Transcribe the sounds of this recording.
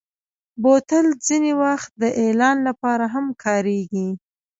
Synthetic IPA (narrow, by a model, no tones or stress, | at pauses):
bot̪əld͡zinewaxt̪̚d̪əʔelɑnlapɑɾaɦamkʰɑɾeɡi